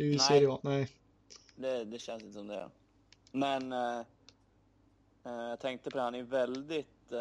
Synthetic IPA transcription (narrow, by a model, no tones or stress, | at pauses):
ʉseːɾɔnæɪ | d̪ɛd̪ɛɕɛnsɪnt̪əsɔmd̪ɛ̰ | mɛn | jat̪ʰɛŋk̚t̪əpʰɔd̪ɛhanæjvɛld̪ɪt̪